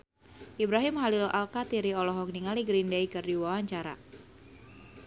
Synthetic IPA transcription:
ʔibɾaɦimɦalɪla̰lkat̪iɾiɔlɔɦɔk̚niŋaliɡɾindaikɨrdiwawaɲt͡ʃaɾa̰

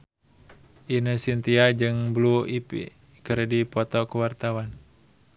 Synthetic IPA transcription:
ʔinəsint̪iad͡ʒɨŋbluipḭ | kərdipɔt̪ɔkuwart̪awan

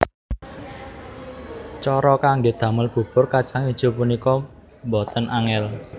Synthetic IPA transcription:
t͡ʃɔɾɔkaŋɡed̪̥ä̤məlb̥ṳb̥ʊrkat͡ʃaŋid̥ʒ̥o̤punikɔ | mbɔt̪ənʔaŋɛl

